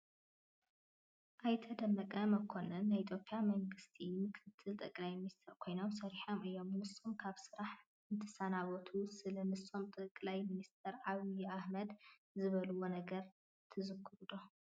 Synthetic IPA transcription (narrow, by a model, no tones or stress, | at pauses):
ʔajt̪ʰɐd̪ɐmːɐkʼɐmɐkʰo̞nɐnːajit̪ʰjo̞pʼjamɐŋɡɨst̪ʰimɨkʰɨt̪ʰːɨlt̪ʼɐkʼlajminist̪ʰɐɾkʰo̞jno̞msɐɾiħo̞mʔɨjːo̞mnɨsːomkʰaβsɨɾaħ | ɨnt̪ʰɨ̥sanaβot̪ʰusɨlɐnɨsːo̞mt̪ʼɐkʼlajminist̪ʰɐɾʕaβijahmɐd̪ | zɨβɐluwo̞nɐɡɐɾ | t̪ʰɨzɨkʰːɨɾud̪o̞